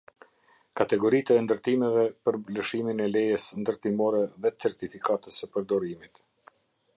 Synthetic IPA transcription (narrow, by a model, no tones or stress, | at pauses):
kat̪ɛɡɔɾit̪ɛnd̪əɾt̪imɛvɛpəɾmbləʃiminɛlɛjəsnd̪əɾt̪imɔɾɛðɛt͡sɛɾt̪ifikat̪əsəpəɾd̪ɔɾimit̪